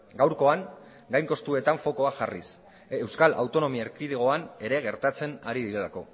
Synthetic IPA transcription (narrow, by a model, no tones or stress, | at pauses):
ɡawɾko̞aŋ | ɡajŋko̞st̪ue̞t̪aɱfo̞ko̞aʝaris | e̞wskalʔa̰wt̪o̞no̞miaeɾkiðiɣo̞ane̞ɾe̞ɣ̞e̞ɾt̪at͡se̞na̰ɾiðiɾe̞lako̞̰